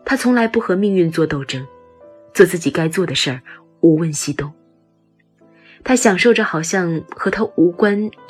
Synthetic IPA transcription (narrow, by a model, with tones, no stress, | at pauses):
t̪ʰa˥t͡sʰʊ˧˥ŋla˧˥ɪpu˥˩xɤ˧˥mi˥˧ŋy˥˧nt͡swɔ˥˧t̪o˥˩ʊʈ͡ʂɤ˥ŋ | t͡swɔ˥˧t͡sɹ̩˥˩t͡ɕi˨˩ka˥ɪt͡swɔ˥˩d̪ə˩ʂə˞˥˩ | u˨˧˥wə˥˧nɕi˥t̪ʊ˥˩ŋ | t̪ʰa˥ɕjɑ˨˩ŋʂo˥˩ʊʈ͡ʂə˩xɑ˨˩ʊɕjɑ˥˩ŋxɤ˧˥t̪ʰa˥u˧˥kwa˥n